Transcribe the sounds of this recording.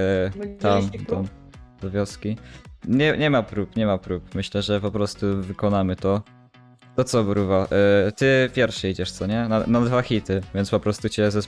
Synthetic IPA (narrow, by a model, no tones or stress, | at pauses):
t̪amd̪ɔ | d̪̥ɔvʲjɔskʲiɲɛɲɛmapɾupɲɛmapɾupmɘɕlɛʐɛpɔpɾɔst̪uvɘkɔnamɘt̪ɔ | t̪ɔt̪sɔbɾuvaʔt̪ɘpʲjɛɾfʂɛid͡ʑɛʂt̪sɔɲɛnanad̪vaxʲit̪ɘvʲjɛnt̪spɔpɾɔst̪ut͡ɕɛzɛs